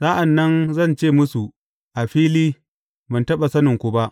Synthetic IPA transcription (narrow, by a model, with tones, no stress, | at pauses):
saː˦ʔa˨nːɐ˦nzɐ˦˨nt͡ʃeː˦˨mʊ˦su˨ | ʔa˨ɸiː˦liː˦ | bɐ˨ntɐ˦ɓa˨sɐ˦nɪ˨ŋkʷʊ˨ba˦ʔ